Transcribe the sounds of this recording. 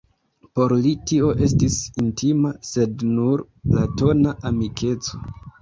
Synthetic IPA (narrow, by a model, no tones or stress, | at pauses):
po̞ɾlitio̞ʔe̞stisintimase̞dnuɾ | lato̞naamikʰe̞t͡so̞̥